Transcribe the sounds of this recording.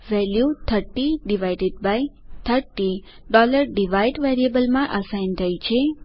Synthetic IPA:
ʋɛljut̪ʰəɾʈiɖiʋajɖeɖ̚bajt̪ʰəɾʈi | ɖɔləɾɖiʋajɖʋɛɾiəbəlmãʔəsajnt̪ʰajt͡ʃʰe

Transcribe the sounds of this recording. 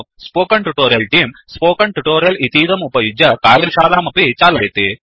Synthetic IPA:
spoːkɐɳʈuʈoːɾijɐlʈiːmspoːkɐɳʈuʈoːɾijɐlit̪iːd̪ɐmupɐjud͡ʒɐkaːɾiɾʃaːlaːmɐpit͡ʃaːlɐjt̪i

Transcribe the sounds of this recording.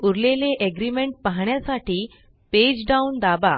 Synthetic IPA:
uɾleleʔeɡɾimeɳʈ̚paɦɳjasaʈiː | ped͡ʑɖaund̪aba

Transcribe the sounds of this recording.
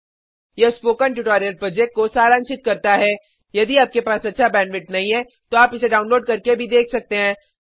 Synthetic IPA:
jespoːkəɳʈuːʈɔːɾijəlpɾoːd͡ʒɛk̚ʈ̚kosaːɾaːnʃɪt̪̚kɐɾt̪aɦɛː | jɐd̪iaːp̚kepaːsɐtːʃʰabɛ̃ːɳɖʋɪʈnɐɦĩɦɛ | t̪oaːpɪseɖaːʊnloːɖ̚kɐɾkebʱid̪eːkʰsɐk̚t̪eɦɛ̃ː

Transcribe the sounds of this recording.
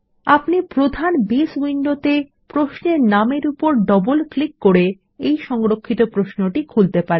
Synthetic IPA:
apnipɾod̪ʱanbiswiɳɖot̪e | pɾoʃneɾnameɾupoɾɖɔbolklikːoɾe | ejʃɔŋɾokʰːit̪opɾosnoʈikʰult̪epaɾee

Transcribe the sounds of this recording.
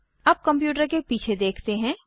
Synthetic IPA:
ɐːp̚kɐ̃mp̬juːʈ̬əɾkepiːt͡ʃʰed̪eːkʰt̪eɦɛ̃ː

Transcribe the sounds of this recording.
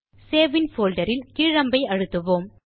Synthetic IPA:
seːʋɪnfoːlɖɐɾɪlkiːɻɐmbɐɪɐɻɯt̪ːɯʋoːm

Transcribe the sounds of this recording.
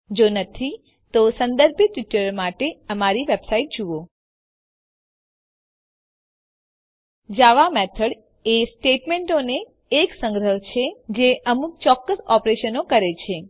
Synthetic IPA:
d͡ʒonət̪ʰi | t̪osə̃nd̪əɾbʱjət̪ʋɪʈːəɾəɾmaʈeəmaɾiʋebsaiʈ̚d͡ʒuʋo | d͡ʒaʋamɛt̪ʰəɽ | esʈeʈmẽɳʈoneː | ksə̃ŋɡɾəɦt͡ʃʰed͡ʒeʔəmuk̚t͡ʃɔkːəsɔpɾeʃənokəɾet͡ʃʰe

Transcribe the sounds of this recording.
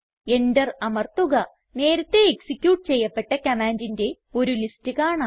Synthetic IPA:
e̞ndɐrɐmɐrt̪uɣɐ | ne̞ːɾɐt̪ːe̞ːksikʲjuːʈːɨt͡ɕe̞jːɐpːe̞ʈːɐkɐmaːndinde̞ | o̞ɾulistɨkaːɳa

